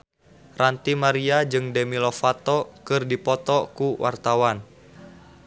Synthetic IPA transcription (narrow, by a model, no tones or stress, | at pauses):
rant̪imaɾiad͡ʒɨŋdɛmilɔfat̪ɔkɨrdipɔt̪ɔkuwʔa̰rt̪awan